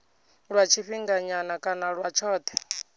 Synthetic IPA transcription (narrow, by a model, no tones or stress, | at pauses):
ɺwat͡ʃʰiɸiŋɡaɲanakʼanaɺwat͡ʃʰɔːt̪ʰɛ̥